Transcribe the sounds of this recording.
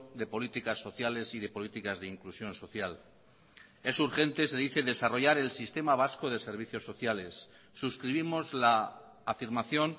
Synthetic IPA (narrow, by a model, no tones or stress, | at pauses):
d̪e̞po̞lit̪ikasːo̞θjale̞siðe̞po̞lit̪ikazðeiŋklusjo̞nso̞θjal | e̞suɾxe̞nt̪e̞se̞ðiθe̞ðe̞saro̞ʝaɾe̞lsist̪e̞maβ̞asko̞ð̞e̞se̞ɾβ̞iθjo̞sːo̞θjale̞sː | uskɾiβ̞imo̞zlaː | fiɾmaθjo̞n